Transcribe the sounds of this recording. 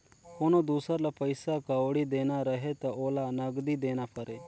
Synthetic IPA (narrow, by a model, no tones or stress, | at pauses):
koːnod̪uːsəɾlapəɪsakaoɽid̪eːnaɾɐɦet̪ɐʔoːlanɐɡd̪id̪eːnapʰɐɾeː